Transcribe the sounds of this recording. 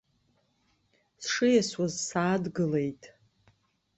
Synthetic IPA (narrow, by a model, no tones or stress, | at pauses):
sʂɨjaswazsaːdɡɨle̞jtʼ